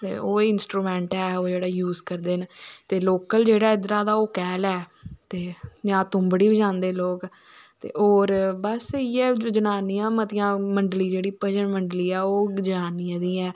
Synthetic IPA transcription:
t̪ḛːʔoːɪnsʈɾuːmɛ̃ːɳʈɛːoːd͡ʒeːɽaːjuːzkəɾd̪eːnt̪eːloːkəld͡ʒeːɽaːɪd̪ɾaːd̪aːoːkɛːlɛːt̪eːd͡ʒãːt̪ʊ̃mbəɽiːbəd͡ʒãːnd̪eːloːk | t̪ḛːʔoːɾbəsiːɛːd͡ʒənaːnijãːmət̪ɪjãːməɳɖliːd͡ʒeːɽiːpəd͡ʒəɳməɳɖliːɛːoːd͡ʒənaːniãːd̪iːɛː

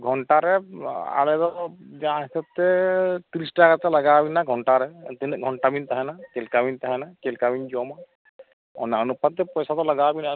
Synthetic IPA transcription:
ɡʱɔɳʈaɾɛa̰lɛd̪ɔd͡ʒaɦisat̚t̪ːɛt̪iɾisʈakat̪alaɡabinaɡʱɔɳʈaɾɛt̪ɛnɛɡʱɔɳʈabint̪aɦanakelkabint̪aɦɛnakelkabind͡ʒɔma | ɔ̰naanupat̪ːɛpɔjsat̪ɔlaɡabina

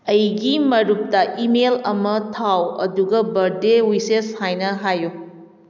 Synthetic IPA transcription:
ɐjɡimɐɾup̚tɐʔimelɐmɐtʰawɐ̰duɡɐbɐɾdewiseshajnɐɦajːu

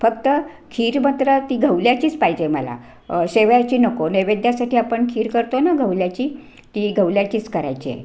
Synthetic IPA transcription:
fəkt̪ə | kʰiːɾmat̪ɾət̪iːɡʱəʋljat͡ɕiːt͡spaɦid͡ʑeməla̰ | ɕeʋjat͡ɕiːnəkoneʋed̪jasaʈʰiːapəɳkʰiːɾkəɾt̪onaɡʱəwljat͡ɕiː | t̪iːɡʱəʋljat͡ɕiːt͡skəɾa̰jt͡ɕiḛ

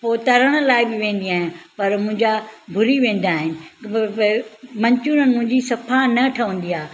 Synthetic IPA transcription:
poːt̪ɐɾəɽ̃əlaːɪbɪʋẽːn̆d̪iaːɦɪnpɐɾmʊ̃ɦɪ̃ɲd͡ʑabʱʊɾiʋẽːn̆d̪aːɦɪnɪ̆ | mɐ̃ɲt͡ɕunənmʊ̃ɦɪ̃ɲd͡ʑisɐfʰanɐʈʰɐʋə̃nd̪iaː

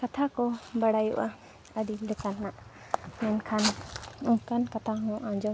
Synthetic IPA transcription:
kat̪ʰakɔbaɽajṵʔa | əd̪ilɛkanːaʔ | mɛnkʰanuŋkankat̪ʰaɦɔ̃ʔãd͡ʒɔ

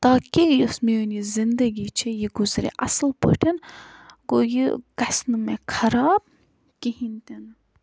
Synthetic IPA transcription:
t̪aːkʲejosmiunizind̪ɐɡʲit͡ʃʰijiɡuzɾḭʔɐ̰slpə̰ʈʰɐnɡojikɐsnɨmekʰɐɾaːb̚ | kʲiɦinʲt̪ʲen

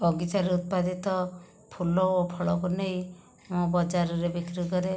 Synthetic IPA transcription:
ɔɡit͡ʃaɾeut̪̚pad̪it̪ɔ | pʰulɔopʰɔɭɔkunej | mũbɔd͡ʒaɾɔɾebikɾikɔɾe

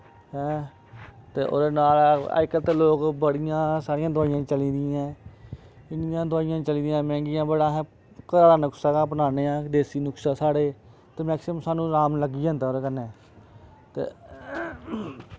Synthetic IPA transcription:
ɦɛ̃ː | t̪eːʔo̰ːdeːnaːla̰ɪkət̪eloːkbəɽɪjãːsaːɾɪjãːd̪ʊaːijãːt͡ʃəliːd̪ɪjãː | ɪnɪjãːd̪ʊaːɪjãːt͡ʃəliːd̪ijãːmɛ̃ːŋɡɪjãːbəɽãːɦɛ̃ː | kəɾaːɾaːnəksaːkãːp̬ənaːneːãːd̪eːsiːnʊksaːsaːɽeː | t̪eːmɛːksɪmsaːnũːɾaːmləɡiːãːt̪eoːɾeːkənːeː | t̪ḛː

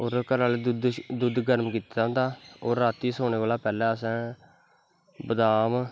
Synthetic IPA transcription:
oːɾkəɾaːled̪ʊd̪d̪ʊd̪ɡəɾmkiːt̪aɦõːnd̪aːoːɾaːt̪iːsoːneːʋaːlaːpɛːlɛ̃ːəsɛ̃ː | bəd̪aːm

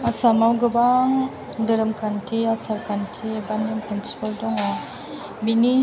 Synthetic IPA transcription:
asamawɡɯbaŋ | dɯɾɯmkʰantʰiasaɾkʰantʰibanimpʰinsi̥paldɔŋa | bini

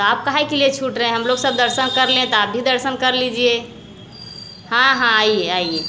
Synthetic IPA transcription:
t̪ɔaːp̚kəɦajkeliet͡ʃʰuʈɾɛɦɛ̃ɦəmloɡsəb̚d̪əɾsənkəɾlẽt̪ɔaːp̚bʱid̪əɾsənkəɾlid͡ʒie | hãɦãaieaie

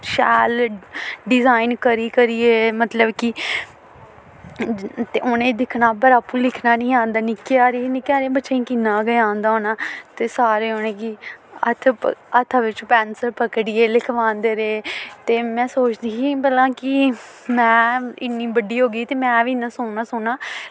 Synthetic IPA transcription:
ʃɛːl | ɖɪzaːɪnkəɾiːkəɾiːeːmət̪ləbkɪ | t̪eːʔonẽːd̪ɪkʰnaːpəɾaːpũːlɪkʰnaːnĩːãːnd̪aːnɪkjaːɾeːnɪkaːɾeːbətːʃeĩːkinːaːɡəãːnd̪aːɦoːnaːt̪eːsaːɾeːɦoːnẽːɡiə̰t̪ʰət̪ʰaʋɪt͡ʃpɛːnsəɾpəkɽɪːeːlɪkʰʋãːnd̪eːɾeːt̪eːmɛ̃ːsoːt͡ʃd̪iːkiːbəlãːkɪ | mɛ̃ːɪ̰nːiːbəɖiːɦoːɡiːt̪eːmɛ̃ːʋiːnãːsoːnaːsʊːnaː

